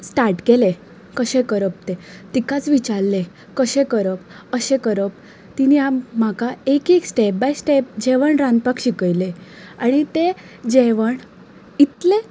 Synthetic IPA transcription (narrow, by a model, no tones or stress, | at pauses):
sʈaɾʈkele | kəɕẽkəɾəp̚t̪et̪ikat͡sʋit͡ɕaɾle | kəɕẽkəɾəp | əɕẽkəɾəp̚ | t̪iniamm̤akaekeksʈep̚bajsʈep̚d͡ʑeʋəɳɾãnd̪pakɕikəjleaɽ̃it̪e | d͡ʑeʋəɳ | it̪le